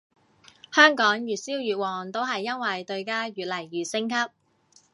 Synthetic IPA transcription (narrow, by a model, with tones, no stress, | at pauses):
hœː˥ŋkɔː˨˥ŋjyː˨t̚siː˥wjyː˨t̚wɔː˨˩ŋt̪o˥wɦɐ˨jːɐ˥nwɐ˨jt̪ɵ˧ɥkaː˥ɥyː˨t̚lɐ˨˩jːyː˨sɪ˥ŋkʰɐ˥p̚